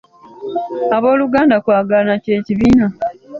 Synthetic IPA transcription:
aβo̞ːluɡaːndakwaːɡalnace̞ːciβiːna

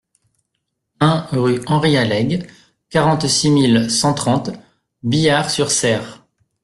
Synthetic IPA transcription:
ɛ̃ʁyɑ̃ʁialɛɡ | kaʁɑ̃t̪similsɑ̃t̪χɑ̃t̪ | bijaʁsyʁsɛːʁ

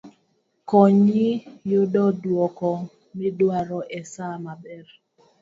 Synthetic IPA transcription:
kɔɲijodɔdwɔkɔ | mɪdwaɾɔʔɛsamabɛr

